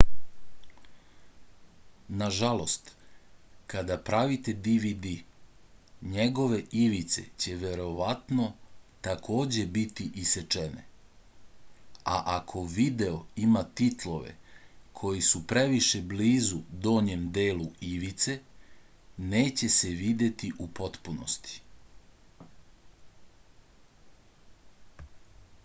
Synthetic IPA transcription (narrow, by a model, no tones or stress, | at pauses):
naʒalo̞st̪ | kad̪apɾaʋit̪e̞d̪iʋid̪i | ɲeɡo̞ʋe̞ʔiʋit̪se̞̰t͡ɕe̞ʋe̞ɾo̞ʋat̪no̞t̪akʰo̞ːd͡ʑe̞bit̪iʔiset͡ʃenḛ | a̰ʔakʰo̞ʋid̪e̞o̞imat̪it̪lˠo̞ʋḛkʰo̞jisupɾe̞ʋiʃe̞bliːzud̪o̞ːɲemd̪e̞ːluiʋit̪se̞ | ne̞ːt͡ɕe̞se̞ʋid̪e̞t̪iʔupo̞t̪puno̰st̪i̥